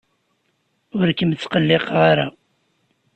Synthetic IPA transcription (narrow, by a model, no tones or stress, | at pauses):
ʊɾkəmt͡sːqəlːeqʁaɾa